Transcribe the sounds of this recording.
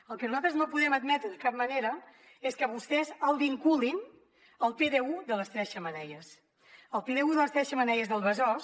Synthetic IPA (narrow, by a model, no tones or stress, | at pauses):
əlˠkənuzalt̪ɾəznopuðɛməd̪mɛt̪ɾəðəkap̚məneɾə | eskəβust̪ɛzəlˠβiŋkulin | əlˠpeðeuðələst̪ɾɛʃəmənɛʎəs | əlˠpeðeuðələst̪ɾɛʃəmənɛʎəzðəlˠβəzɔs